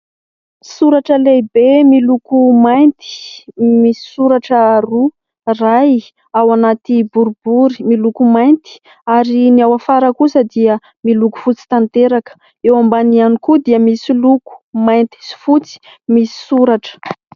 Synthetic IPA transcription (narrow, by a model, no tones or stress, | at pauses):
suɾaʈ͡ʂəlejbemilukumajnt̪i̥misi̥suɾaʈ͡ʂəːru | raj | awanat̪ibuɾubuɾimilukumajnt̪i̥ | aɾiniawafaɾəkusəd̪iə | miluku̥fut͡si̥t̪ant̪eɾakə̥ | ewambanianikud̪iəmisiluku̥majnt̪i̥si̥fut͡si̥ | misi̥suɾaʈ͡ʂə̥